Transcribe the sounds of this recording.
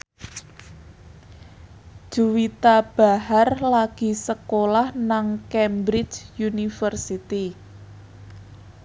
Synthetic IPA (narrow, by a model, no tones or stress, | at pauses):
ʒ̥uwit̪ab̥a̤ɦarlaɡ̥i̤səkolahnaŋkɛmbɾɪt͡ʃjunifərsit̪i